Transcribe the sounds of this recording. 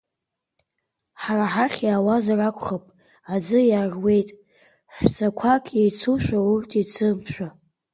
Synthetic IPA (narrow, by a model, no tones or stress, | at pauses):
ħaraħaχʲjaːwazarakʷʰʼχapʼ | ad͡zɨjaːrwe̞jtʼ | ħʷsakʷʰakʰjejt͡sʰuʃʷᶣaurtʰʼit͡sʰɨmpʰʃʷᶣa